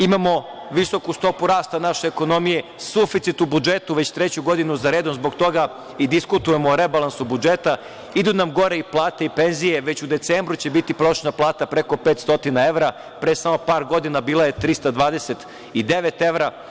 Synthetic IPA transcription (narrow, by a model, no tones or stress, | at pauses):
imamo̞ | ʋiso̞kust̪o̞puɾaːst̪anaʃeːko̞no̞mije̞sufit̪sit̪ubud͡ʒet̪uʋet͡ɕt̪ɾet͡ɕuɡo̞d̪inuzaɾeːd̪onzboɡt̪o̞ɡa | id̪iskut̪uje̞moːɾebalˠansubud͡ʒet̪a | id̪unamɡo̞ɾeiplˠaːt̪eipenzije̞ʋet͡ɕud̪e̞t̪seːmbɾut͡ɕe̞bit̪ipɾoʃnaplˠaːt̪apɾeko̞peːt̪st̪o̞t̪inae̞ʋɾa | pɾesamo̞paːɾɡo̞d̪inabiːlˠaje̞t̪ɾist̪ad̪ʋaːd̪eset̪ | id̪eʋet̪e̞ʋɾa